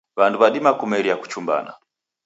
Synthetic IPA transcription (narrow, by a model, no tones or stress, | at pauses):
βanduβaɗimakumɛlijaku̥t͡ʃumba̰na̰